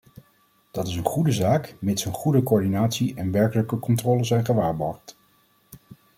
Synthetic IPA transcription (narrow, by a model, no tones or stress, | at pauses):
d̥ɑtɪsənχudəzaːkmɪtsənχudəkoːɹdinaːtsiʔɛnʋɛɹkələkəkɔntrɔːləzɛjnχəʋaːɹbɔɹχt